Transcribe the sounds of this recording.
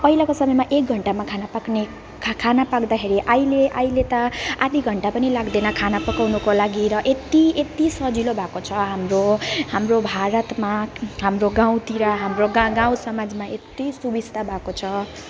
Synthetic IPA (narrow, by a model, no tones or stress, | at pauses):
pʌɦilakosʌmʌjmaʔek̚ɡʱʌɳʈamakʰanapakne | kʰanapakd̪akʰeɾiʔajleʔajlet̪ʌad̪iɡʱʌɳʈapʌnilaɡd̪enʌkʰanapʌkawnukolaɡiɾʌʔet̪iet̪isʌd͡zilobʱakot͡sʰʌɦamrohamrobʱaɾʌt̪maɦamroɡaw̃t̪iɾaɦamroɡaɡãw̃sʌmad͡zmaʔet̪isubist̪ʰabʱakot͡sʰʌ